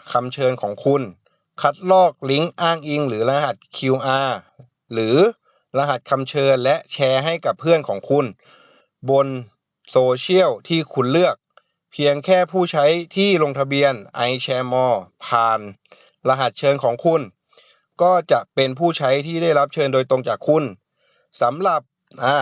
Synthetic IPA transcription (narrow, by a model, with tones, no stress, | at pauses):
kʰa˧mt͡ɕʰɤː˧nkʰɔː˩˦ŋkʰu˧n | kʰa˦˥t̪̚lɔː˥˩k̚li˦˥ŋʔaː˥˩ŋʔi˧ŋɾɯː˩˦la˧ɦa˨˩t̪̚kʰiː˧wʔaː˧ | ɾɯː˩˦ | la˧ɦa˨˩t̪̚kʰa˧mt͡ɕʰɤː˧nlɛ˦˥ʔt͡ɕʰɛː˧ɦa˥˩jka˨˩pʰːɯ˥˩ənkʰɔː˩˦ŋkʰu˧n | bo˧n | soː˧t͡ɕʰi˥˩əwt̪ʰiː˥˩kʰu˧nlɯ˥˩ək̚ | pʰi˧əŋkʰɛː˥˩pʰuː˥˩t͡ɕʰa˦˥jt̪ʰiː˥˩lo˧ŋt̪ʰa˧bi˧ənʔa˧jt͡ɕʰɛː˧mɔː˧˩pʰaː˨˩n | la˧ɦa˨˩t̪̚t͡ɕʰɤː˧nkʰɔː˩˦ŋkʰu˧˥n | kɔː˥˩t͡ɕa˨˩ʔpe˧npʰuː˥˩t͡ɕʰa˦˥jt̪ʰiː˥˩da˥˩jla˦˥p̚t͡ɕʰɤː˧ndoː˧jt̪o˧ŋt͡ɕaː˨˩kʰːu˧n | sa˩˦mɾa˨˩p̚ | ʔaː˧˩